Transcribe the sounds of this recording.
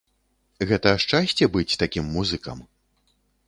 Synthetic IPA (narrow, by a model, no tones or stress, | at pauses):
ɣɛt̪ɐːʂt͡ʂasʲt͡sʲɛbɨt͡sʲt̪akʲimːuzɨkɐ̰m